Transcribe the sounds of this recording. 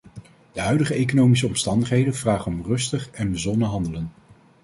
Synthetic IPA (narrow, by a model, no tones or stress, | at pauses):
d̥əɦœɥdəχəejkonowmis̬əɔmstɑndəχɦejdənv̥raːχənɔmrɵstəχɛnbəzɔnəɦɑndələn